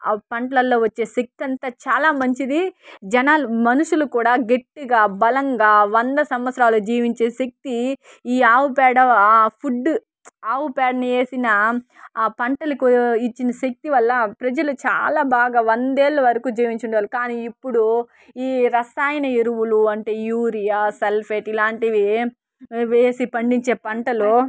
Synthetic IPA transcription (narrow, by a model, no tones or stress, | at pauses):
pɐɳʈɐlɐlːo̞ːʋɐt͡ʃːe̞ːʃek̚t̪iɐnt̪aːt͡ʃaːlaːmɐɲt͡ʃid̪id͡ʒɐnaːlumɐnuʂulukuːɽaːɡeʈːiɡaːbɐlɐŋɡaːʋɐnd̪ɐsɐmʋɐt̪sɐɾaːlud͡ʒiːʋiɲt͡ʃe̞ːʃek̚t̪i | iːaːwupɛːɽɐpʰuɖː | aːwupɛːɖɐnieːsinɐ | pɐɳʈɐlɐkuit͡ʃːinɐʃek̚t̪iʋɐlːɐpɾɐd͡ʒɐlut͡ʃa̰ːlaːbaːɡaːʋɐnd̪eːɭːɐʋɐɾɐkuːd͡ʒiːʋiɲt͡ʃuɳɖeʋaːlukaːniːipːuɽu | iːɾɐsaːjɐnɐeɾuʋuluɐɳʈe̞ːjuːɾijaːselpʰeʈilaːɳʈiʋi | ʋeːsipɐɳɖiɲt͡ʃe̞ːpɐɳʈɐlo